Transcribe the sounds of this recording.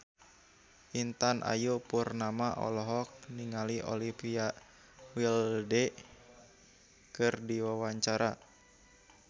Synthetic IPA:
ʔint̪anʔa̰jupurnamaʔɔ̰lɔɦɔk̚niŋaliʔɔ̰lipia | wildɛ | kɨrdiwawaɲt͡ʃaɾa

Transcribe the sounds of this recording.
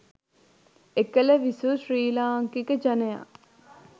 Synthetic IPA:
ekələʋisusɾiːlaːŋkikəd͡ʒɐnɐja̰

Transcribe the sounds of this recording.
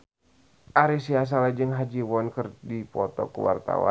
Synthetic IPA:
ʔaɾis̬ias̬alad͡ʒɨŋɦad͡ʒiwɔnkɨrdipɔt̪ɔ̰kṵwa̰rt̪a̰wa̰

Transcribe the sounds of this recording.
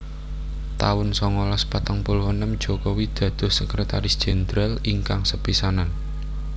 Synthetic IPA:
t̪awʊnsɔŋɔlɔspat̪aŋpulhwənəmd̥d͡ʒ̥ɔkowid̪̥ä̤d̪̥o̤hsəkɾet̪aɾɪsd̥ʒ̥ɛnd̪ɾaliŋkaŋsəpisanan

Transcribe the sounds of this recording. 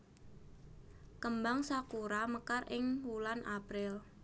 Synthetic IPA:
kəmbaŋsakuɾaməkarʔɪŋwulanʔapɾɪl

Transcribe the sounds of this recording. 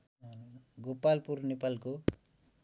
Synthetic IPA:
ɡupːaːlpuɾnipɐlku

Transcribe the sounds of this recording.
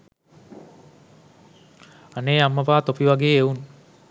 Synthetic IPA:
aneːamːəpaːt̪opiʋaɡeːeun

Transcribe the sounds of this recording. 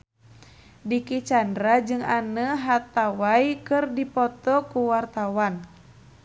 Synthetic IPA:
dikit͡ʃandɾad͡ʒɨŋanəɦat̪awaikɨrdipɔt̪ɔkuwart̪awan

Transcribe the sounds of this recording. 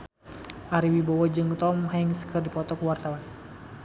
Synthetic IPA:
ʔaɾiwibɔwɔd͡ʒɨŋt̪ɔmhɛŋsə̥kʰɨrdipɔt̪ɔkuwart̪awan

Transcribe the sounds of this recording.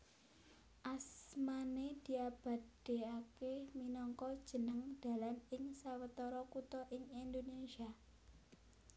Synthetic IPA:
ʔasmaned̪̥i̤ab̥a̤d̥e̤akeminɔŋkɔd̥ʒ̥ə̤nəŋd̪̥a̤lanɪŋsawət̪ɔɾɔkut̪ɔʔɪŋind̪onesia

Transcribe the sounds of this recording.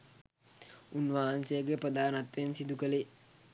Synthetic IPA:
unʋaɦansejəɡepɾəd̪aːnat̪ʋensid̪ukəle

